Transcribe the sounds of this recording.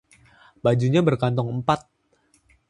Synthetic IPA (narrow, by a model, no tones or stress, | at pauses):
bad͡ʒuɲabərkant̪ɔŋəmpat̪̚